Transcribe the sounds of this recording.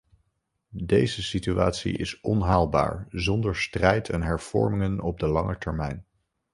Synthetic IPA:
dejzəsitya̰ːtsḭʔɪ̰sɔnɦaːlˠba̰ːɹzɔndəɹstrɛjtʰɛnɦɛɹv̥ɔ̰ɹmɪŋənɔb̚dəlɑŋətɛɹmɛjn

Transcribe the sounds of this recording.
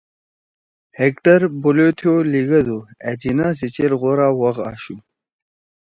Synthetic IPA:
hekʈəɾbulot̪ʰjoliɡɐd̪ued͡ʑinaːs̬it͡ɕelɣoɾawɐɣa̰ːɕu

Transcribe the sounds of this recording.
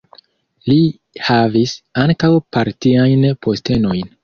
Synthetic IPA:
li | havisaŋkawpaɾtiajnpʰo̞ste̞no̞jn

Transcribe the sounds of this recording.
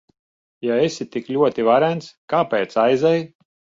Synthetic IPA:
jaesʲit̪iklʲuɔt̪ivaɾænt̪skaːpɛːt̪sajzɛj

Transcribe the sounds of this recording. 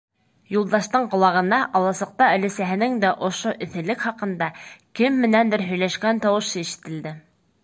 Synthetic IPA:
julˠd̪ɑʃt̪ɤɴqŏlˠɑʁɤ̆nd̪ɑʔɑlˠɑsɤ̆q̚t̪ɑɵ̆læsæɦɘ̆nɘŋd̪æʔŏʃoʔɘ̆θɘ̆lɘkχɑqɤ̆nd̪ɑkɘmːɘ̆nænd̪ɘɾɦɵ̆jlæʃkænt̪ɑwɤ̆ʃɤiʃɘ̥̆t̪ɘ̆ld̪ɘ

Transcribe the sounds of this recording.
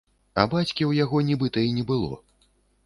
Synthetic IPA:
ɐ̰bat͡sʲkʲiwjaɣɔnʲɛbɨt̪ɐinʲɛbɨlˠɔ̰

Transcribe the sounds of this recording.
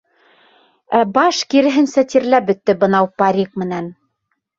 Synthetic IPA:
æbɑʃkiɾɘ̆ɦɘnsæt̪iɾlæp̚bɵ̆t̪ːɘbɤ̆nɑwpɑɾʲik̚mɘ̆næn

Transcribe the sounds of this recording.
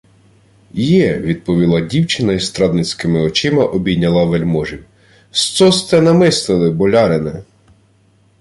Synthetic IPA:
jɛʋʲid̪̚pɔʋʲilˠɑdʲiwt͡ʃɪnɐist̪ɾɑd̪nɪt͡sʲkɪmɪɔt͡ʃɪmɐʔɔbʲinʲːɐlˠɐʋelʲmɔʒiw | st̪sɔst̪ɛnɐmɪst̪ɪlˠɪbɔlʲɑɾɪnɛ

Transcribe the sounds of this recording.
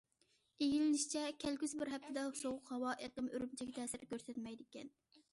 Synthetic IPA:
eɡʲilɪnɪʃt͡ʃʰɛkʲʰɛlkʲyzbɪɾɦɛp̚t̪ʰɪd̪ɛʊʃoʁʊqhɑwɑʔeqəmøɾymt͡ʃʰɛkʲɛt̪ʰɛːsɪɾkʲøɾsɛt̪mɛjd̪ɪkʲɛn

